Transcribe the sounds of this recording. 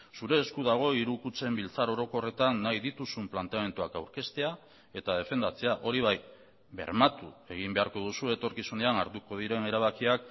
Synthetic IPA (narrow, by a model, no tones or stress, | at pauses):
suɾe̞ːskuðaɣ̞o̞iɾukut͡se̞mbilt͡saɾo̞ɾo̞ko̞re̞t̪anːajðit̪usumplant̪e̞ame̞nt̪uakawɾke̞st̪e̞a | e̞t̪að̞e̞fe̞nd̪at͡se̞aʔo̞ɾiβ̞aj | be̞̰ɾmat̪ue̞ɣ̞imbe̞aɾko̞ð̞usue̞t̪o̞ɾkisuneanaɾt̪uko̞ð̞iɾe̞ne̞ɾaβ̞akiak̚